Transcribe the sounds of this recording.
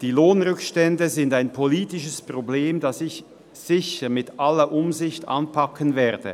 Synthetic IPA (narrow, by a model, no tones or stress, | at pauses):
d̥iːloːnʁʏkʃtɛndəzɪndaɪnpʰoliːtɪʃəspʁ̥obleːmdasɪç | z̥ɪçəmɪtʔalɐʔʊmzɪçtʔa̰npʰɑkʰənvɛːɐd̥ə̰